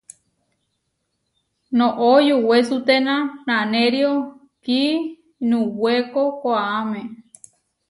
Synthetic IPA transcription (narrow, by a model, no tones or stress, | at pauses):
nõʔojuwesut̪enãnãnẽɾio | ki | nũwekokoaamẽ